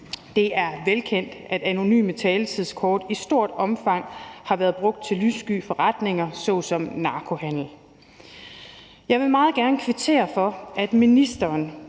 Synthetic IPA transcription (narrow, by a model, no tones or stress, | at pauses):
d̥e̝æɐʋelkʰen̰d̥ʔæd̥æno̝ny̰ːmət͡sʰɛːlət͡sʰiðˠskʰɒːd̥isd̥o̝ɐ̰d̥ɒ̽mfɑ̈ŋ̰hɑ̈ʋæːɐð̞ˠb̥ʁɔ̽ɡ̥̚d̥̚t͡sʰe̝lysɡ̥y̰ːfɒ̽ʁɑd̥ne̝ŋɐsɒ̽sɒ̽mnɑ̈ːkʰo̝hæn̰l̩ | jɑ̈ɪʋe̝mɑ̈ːð̩ˠɡ̥æɐnəkʰʋet͡sʰe̝̰ːɐfɒ̽æd̥minisd̥ɐːn